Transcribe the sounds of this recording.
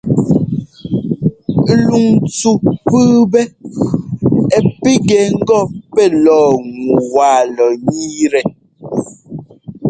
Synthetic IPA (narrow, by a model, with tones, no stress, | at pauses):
lu˨ŋt͡su˨pɨː˦bɛ˦ | ɛ˨pi˦ɡɛ˨ŋ̩˦ɡɔ˦pɛ˦lɔː˦˨ŋu˨waː˨lɔ˨ɲiː˦ɾɛ˨